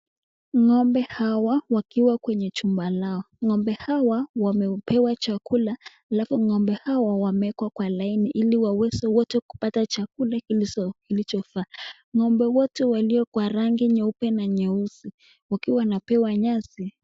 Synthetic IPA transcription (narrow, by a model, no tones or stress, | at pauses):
ŋɔmbɛhawawakiwakwɛɲɛt͡ʃumbalaɔ | ŋɔmbɛhawawamɛpɛwat͡ʃakulaː | lafuŋɔmbɛhawawamɛkwakwalainiʔiliwawɛzɛwɔtɛku̥patat͡ʃakulakikilit͡ʃɔfaː | ŋɔmbɛwɔtɛwaliɔkwaɾaŋɡiɲɛupɛnaɲɛusi | wakiwawnapɛwaɲasi